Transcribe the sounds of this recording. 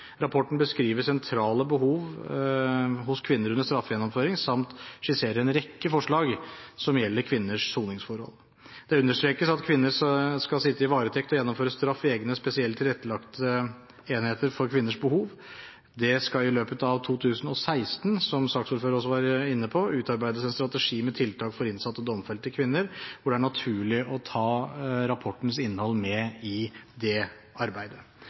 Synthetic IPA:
ɾɑpʰɔʈːnɳ̩bəskɾiːʋəsɛnt̪ʰɾɑːləbəɦuːʋ | ɦʊskʰʋɪnːəɾʉnd̪əʂst̪ɾɑfːjɛnːɔmføːɾɪŋsɑmt̪ʂɪseːɾəɛnɾɛkːəfɔʂɭɑːɡsɔmjɛlːəɾkʰʋɪnːəʂsuːnɪŋsfɔɾhɔ̰l | d̪̥ɛʉnːəʂt̪ɾeːkəsɑt̪kʰʋɪnːəɾskɑlsɪt̪ːəɪʋɑːɾət̪ʰɛkt̪ɔjɛnːɔmføːɾəst̪ɾɑfːeːɡnəspɛsɪɛlt̪ʰːɪlɛt̪ːəlɑkt̪ʰə | eːnheːt̪əɾfɔɾkʰʋɪnːəʂbəhuːʋ | d̪ɛskɑɪløːpət̪ɑʋt̪ʰuːt̪ʰʉːsnɔsæɪst̪nsɔmsɑksuːlføːɾɔs̬ːɔʋɑːɾəɪnːəpʰɔʉːt̪ɑɾbæɪd̪əsænst̪ɾɑt̪əʂiːmɛt̪ʰɪlt̪ʰɑːkfɔɾɪnsɑt̪ːɔd̪ɔmfɛlt̪ʰːəkʰʋɪnːəɾʋʊɖɛæɳɑt̪ʰʉːɭɪʔɔt̪ʰɑːɾɑpʰɔʈːənsɪnːəhɔlːmɛɪd̪ɛ | ɑɾbæɪd̪ə

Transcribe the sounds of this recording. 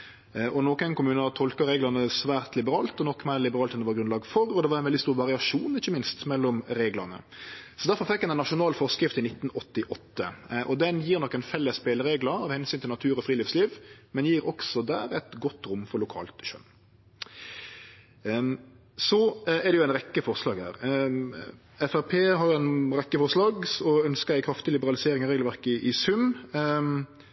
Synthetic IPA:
ʔɔnoːkənkʊmʉːnət̪ʰɔlkɑɾeːɡlɑnəsʋæːɾt̪lɪbəɾɑːlt̪ɔnɔkːmælɪbəʁɑːlt̪ɛnd̪ɛʋɑʁɡɾʉnlɑːɡfɔʁɔd̪ɛʋɑɾɛnʋɛlɪst̪uːɾʋɑʁɪɑʂuːnɪçːəmɪnst̪mɛlːɔmɾeːɡləʁnə̰sɔd̪æɾfɔɾfɛkːɛnɛnːɑʂʊnɑːlfɔʁskɾɪft̪ɪnɪt̪ːnɔt̪ːɪʔɔt̪ːəʔɔd̪ɛnjiːɾnɔkːɛɪnfɛlːəsbeːlɾeːɡləɾɑːʋhɛnsyːnt̪ʰɪlnɑt̪ʰʉːɾɔfɾiːlɪfsliːʋmɛnjiːɾɔksɔd̪æ̰ːɾɛt̪ɡɔt̪ːɾʊmfɔɾlʊkʰɑ̰ːlt̪ʃœ̰n | sɔɛɾd̪ɛjʊæɪnɾɛkːəfɔɾslɑːɡhæ̰ːɾ | ɛfæpʰeːɦɑɾjʊæɪnɾɛkːəfɔɾslɑːɡsɔœnskəɾæɪkʰɾɑft̪ɪlɪbəʁɑlɪseːɾɪŋɔɾeːɡlʋæɾkəɪʔɪsʉm

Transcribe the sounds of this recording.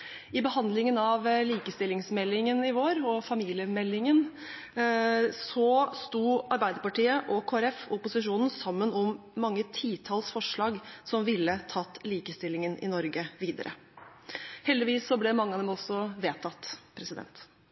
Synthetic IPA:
ɪbəhɑnd̪lɪŋənɑʋliːkəst̪ɪlːɪŋsmɛlːɪŋənɪʋoːɾɔfɑmiːlɪəmɛlːɪŋən | sɔst̪uːɑɾbæɪd̪əɾpɑʈiːəʔɔkʰoːæɾɛfɔpʊsɪʂuːnn̩sɑmːənɔmː | ɑŋːət̪ʰiːt̪ʰɑlsfɔʂɭɑːɡsɔmʋɪlːət̪ʰɑt̪ːliːkəst̪ɪlɪŋənɪ̰nɔɾɡəʋiːd̪ə̰ɾʔə̰ | hɛld̪ɪʋiːsːɔblɛmɑŋːəɑd̪ɛmɔsːɔʋeːt̪ʰːɑt̪ːpʰɾɛsɪd̪ɛ̰nt̪

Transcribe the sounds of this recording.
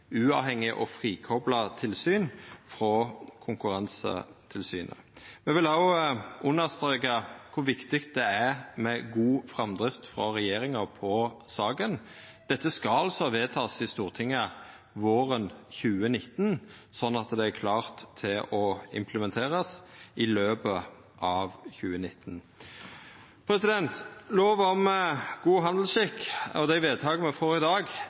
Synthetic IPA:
ʉːɑːʋhɛŋːɪʔɔfʁiːkʰɔblɑt̪ʰɪlsyːnfɾɔkʰʊŋkʉɾɑnsə̰t̪ʰɪlsy̰ːnʔə̰mɛʋɪlhɑʊʔʊnːəʁst̪ɾeːkɑkʰʊʋɪkt̪ɪkt̪̚d̪ɛæɾmɛɡuːfɾɑmd̪ʁɪft̪fɾɑʁɛjeːɾɪŋɑpʰɔsɑːɡən | d̪̥ɛt̪ːəskɑɑlsɔʋeːt̪ʰɑːsɪst̪uːʁt̪ʰɪŋːə | ʋoːʁənçʉːənɪt̪ːn | sɔnːɑt̪d̪ɛæɾkʰlɑːʁt̪ʰːɪlɔɪ̰mpʰləmɛnt̪ʰeːʁəsɪløːpə | ʔɑːʋçʉːənɪt̪ːn | pʰɾɛsɪd̪ɛnt̪loːʋɔmɡuːɦɑnd̪l̩sʃɪkːɔd̪æɪʋeːd̪̚t̪ʰɑːɡəməfɔɾɪd̪ɑːɡ

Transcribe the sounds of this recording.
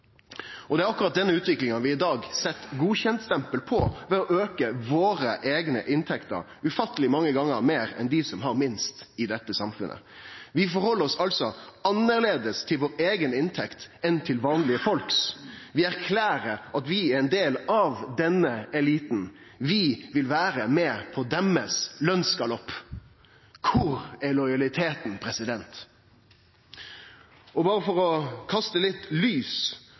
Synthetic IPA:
ɔd̪ɛæɾɑkːʊɾɑt̪̚d̪ɛnːəʉːt̪ʋɪklɪŋənʋɪɪd̪ɑːɡsɛt̪ːɡuːçɛnt̪st̪ɛmpəlpʰɔʋɛɔʔøːkəʋoːɾəʔeːɡnə̰ʔɪnt̪ʰɛkt̪ə̰ɾ | ʉfɑt̪ːəlɪmɑŋːəɡɑŋːəɾmeːɾɛ̰nd̪ɪsɔmɦɑɾmɪnst̪ɪd̪ɛt̪ːəsɑmfʉ̰nːʔə̰ʋɪfɔɾhɔlːəɾɔsɑlsɔɑnːəʁleːd̪əst̪ʰɪlʋoːɾeːɡənɪnt̪ʰɛkt̪ɛnt̪ʰɪlʋɑːnlɪəfɔlksʋɪæɾkʰlæːɾəɾʔɑt̪ʋɪɛɾɛɪnd̪eːlɑʋd̪ɛnəɛliːt̪nʋɪʋɪlʋæːɾəmɛːpʰɔd̪ɛməslœnskɑlɔpː | kʰʊɾɛɾlɔjɑlɪt̪ʰeːt̪npʰɾɛsɪd̪ɛnt̪ | ɔbɑːɾəfɔɾɔkʰɑst̪əlɪt̪lyːs

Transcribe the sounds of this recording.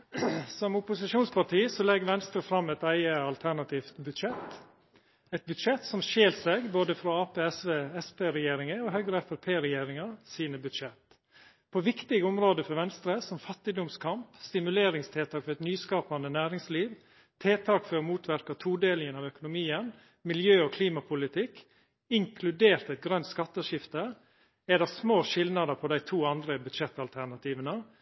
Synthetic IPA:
sɔmʊpʊsɪʃuːnspɑʈʰiːsɔlɛɡːʋɛnst̪ɾəfɾɑmːɛɪt̪æɪəɑlt̪ʰæɳɑt̪ʰiːft̪bʉd̪ʂɛt̪ | ɛɪt̪̚bʉd̪ʃɛt̪sɔmʃeːlsɛɡboːd̪əfɾɔɑːpeːɛsʋeːɛspeːɾɛjeːɾɪŋəɔɦœʏɡɾəɛfɛpʰeːɾɛjeːɾɪŋɑsiːnəbʉd̪ʂɛt̪ | pʰɔʋɪkt̪ɪɡəɔmɾoːd̪əfɔɾʋɛnst̪ɾəsɔmfɑt̪ːɪd̪ʊmskʰɑmpst̪ɪmʉleːɾɪŋst̪ʰeːt̪ʰɑːkfɔɾɛt̪nyːskɑːpɑnd̪ənæːɾɪŋsliːʋ | t̪ʰeːt̪ʰɑːkfœmuːt̪ʰʋæɾkɑt̪ʰuːd̪eːlɪŋənɑːʋœkʊnʊmiːən | mɪljøːɔkʰliːmɑpʰʊlɪt̪ʰɪk | ɪŋkʰlʉd̪eːɾt̪ɛɪt̪̚ɡɾœnt̪skɑt̪ːəʂɪft̪ə | æɖ̪ɛsmoːʃɪlnɑd̪əpʰɔd̪æɪt̪ʰuːɑnd̪ɾəbʉd̪ʃɛt̪ːɑlt̪ʰæɳɑt̪ʰiːʋənə

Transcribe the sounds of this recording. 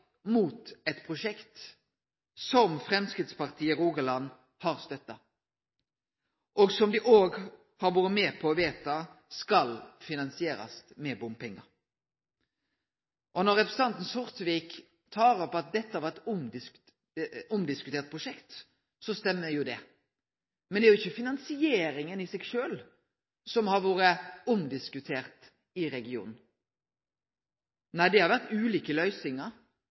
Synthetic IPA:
muːt̪ɛt̪pʰʁʊʃɛkt̪ | sɔmfɾɛmskɾɪt̪spɑʁt̪ʰiːəɾuːɡəlɑnː | hɑʁst̪œt̪ːɑ | ʔɔɡsɔmd̪ɪʔoːɡ | hɑɾʋɔɾəmeːpʰɔʋeːt̪ɑskɑlfɪnɑnsɪeːɾɑ̰st̪mɛbʊmpɛŋːəɾ | ʔɔnɔʁɛpɾəsɑnt̪n̩sʊʁt̪ʋiːk | t̪ʰɑːɾɔpɑt̪̚d̪ɛt̪ːəhɑɾʋɛɛt̪ʊmɪ | ʊmd̪ɪskʉt̪ʰeːɾt̪̚pʰʁʊʃɛkt̪ | sɔst̪ɛmːəjʊd̪ɛ | mɛnd̪ɛæɾjʊɪçːəfɪnɑnsɪeːɾɪŋənɪsɛɡʃøːl | sɔmhɑɾʋoːɾəʊmd̪ɪskʉt̪ʰeːɾt̪ | ɪɾɛɡɪṵːnn̩ | næɪd̪ɛhɑɾʋæʁt̪ʉːliːkəlœʏsɪŋəɾ

